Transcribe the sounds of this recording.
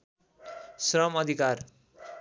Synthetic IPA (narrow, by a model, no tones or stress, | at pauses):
srʌmʌd̪ʱikar